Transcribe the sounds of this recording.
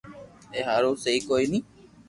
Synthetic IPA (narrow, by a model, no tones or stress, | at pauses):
eɦaːɾoːseiːkoinĩː